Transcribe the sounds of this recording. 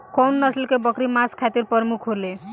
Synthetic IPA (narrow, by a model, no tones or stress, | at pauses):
kɔnːəslkebəkɾimaskʰat̪iɾpəɾmukʰɦole